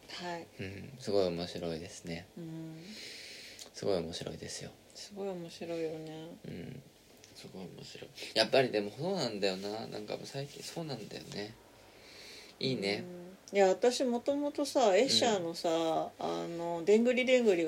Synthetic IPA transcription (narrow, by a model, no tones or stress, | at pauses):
haiɯ̟̃ːɴsɨɡo̞iomo̞ɕiɾo̞id̪e̞sɨ̥ne̞ɯ̟̃ɴ | sɨɡo̞io̞mo̞ɕiɾo̞̰id̪e̞sɨjo̰ | sɨɡo̞io̞mo̞ɕiɾo̞ijo̞neɯ̰̃ɴ | sɨɡo̞iomo̰ɕiɾo̞̰ijapːaɾʲid̪e̞mo̞soːnãnd̪ajo̞nanã̰ŋka̰mo̰saikʲḭ̃ɰ̃so̞ːnãnd̪a̰jo̞̰ne̞ | iːne̞ɯjaat̪aɕimo̞t̪o̞mo̞t̪o̞sae̞ɕano̞saa̰no̞d̪ẽ̞ŋɡɯ̟ɾʲid̪ẽ̞ŋɡɯ̟ɾʲi